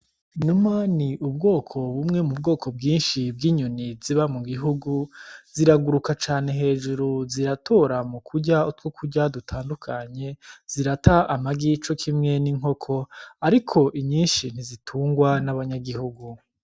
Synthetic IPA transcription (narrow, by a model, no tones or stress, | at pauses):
inumaniʔubɡo̞ːkʰo̞βumŋe̞mub̚ɡo̞ːkʰo̞bɡiːnʃib̚ɡiːɲuniziβamuɡiɦuɡuziɾaɡuɾukat͡ʃaːne̞ɦe̞ːʒuɾuziɾatʰo̞ɾamukʰuɟautwokʰuɟadutʰaːndukʰaɲe̞z̥iɾataamaɡit͡ʃokʰimŋe̞niŋ̥ɦo̞kʰo̞aɾikʰo̞ʔiɲiːnʃin̥izitʰuːŋɡwanaβaɲaɡihuɡu